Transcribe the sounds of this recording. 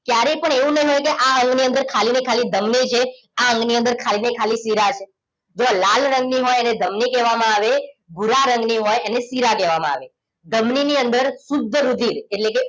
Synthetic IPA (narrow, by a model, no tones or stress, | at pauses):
kjaɾepəɳeũnəĩɦojkeʔaə̃ŋɡniə̃nd̪əɾkʰalinekʰalid̪ʱəmnit͡ʃʰe | aəŋɡniə̃nd̪əɾkʰalinekʰalisiɾat͡ʃʰe | d͡ʒoalalɾə̃ŋɡniɦojened̪ʱəmnikɛʋamãaʋebʱuɾaɾəŋɡniɦojenesiɾakɛʋamãa̰ʋe | d̪əmniniənd̪əɾsʊd̪ʱːəɾud̪ʱiɾeʈleke